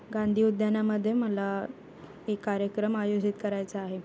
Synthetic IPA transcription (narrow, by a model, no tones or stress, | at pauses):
ɡãnd̪ʱiːud̪ʱjanaməd̪ʱːjeməla | ekːaɾjəkɾəmajod͡ʑit̪kəɾajt͡saaɦe